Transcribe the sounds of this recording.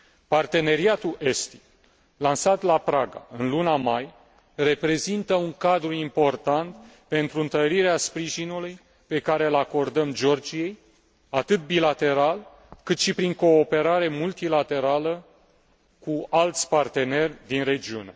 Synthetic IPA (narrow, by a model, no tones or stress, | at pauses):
part̪e̞ne̞ɾiat̪uʔe̞st̪i̥ | lansat̪lapɾaɡa̰ɨnlunamaj | re̞pɾe̞zint̪əuŋkad̪ɾuimpo̞rt̪ant̪ | pe̞nt̪ɾuɨnt̪əɾiɾeaspɾiʒinuluj | pe̞kaɾe̞lako̞rd̪əmd͡ʒo̞rd͡ʒije̞j | at̪ɨt̪̚bilat̪e̞ɾal | kɨt̪ʃipɾiŋko̞ːpe̞ɾaɾe̞mult̪ilat̪e̞ɾalə | kualt̪sʲpart̪e̞ne̞rʲd̪inre̞d͡ʒiune̞